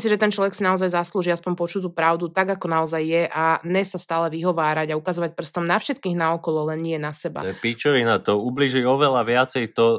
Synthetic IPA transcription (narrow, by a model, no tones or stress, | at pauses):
msiʒɛt̪ɛnt͡ʃlɔʋɛksinaɔzajzasluːʒiaspɔɲpɔt͡ʃut̪̬uːpɾaʊd̪ut̪aɡakɔnaɔzajːɛʔaɲɛsast̪aːlɛʋiɦɔʋaːɾaɟaukazɔʋac̚pr̩st̪ɔmnafʃɛt̪kiːɣnaɔkɔlɔlɛnɲɪɛnasɛba̰ɛpit͡ʃɔʋinat̪ɔubliːʒiɔʋɛlaʋɪat͡sɛjt̪ɔ